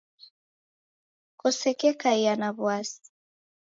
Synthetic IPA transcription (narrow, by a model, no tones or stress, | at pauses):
kɔsɛkɛkaianaβwasi̥